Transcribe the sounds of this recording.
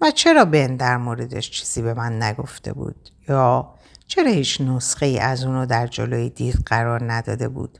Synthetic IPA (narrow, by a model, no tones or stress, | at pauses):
væt͡ʃʰe̞ɾɒːbend̪æɾmoːɾed̪ḛʃt͡ʃʰi̥ːz̥iːbe̞mænːæɡo̞̰ft̪e̞̰bṵːd̪̥jɒː | t͡ʃʰe̞ɾɒːhiːt͡ʃʰnosχeiːʔæzuːnod̪æɾd͡ʒo̰loːjid̪iːɾɢæɾɒːɾnæd̪ɒ̰ːd̪e̞bṵːd̪̥